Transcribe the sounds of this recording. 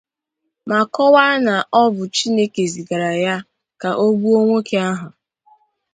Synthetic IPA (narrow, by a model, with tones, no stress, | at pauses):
ma˨kɔ˦wa˦na˨ʔɔ˦bʊ˨t͡ʃi˦ne˦ke˨zi˨ɡa˨ɾa˨ja˦ | ka˨ʔo˦bu˦o˦ŋʷo˦ke˨a˦ɦʊ˨